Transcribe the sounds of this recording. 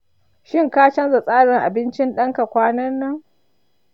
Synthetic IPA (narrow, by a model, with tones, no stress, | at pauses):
ʃɪ˦˨ŋkaː˦t͡ʃɐ˦nza˨sʼaː˦ɽɪ˨ŋʔa̰˨bɪ˦nt͡ʃɪ˦nɗɐ˦ŋka˨kʷaː˦nɐ˦nːɐ˦ŋ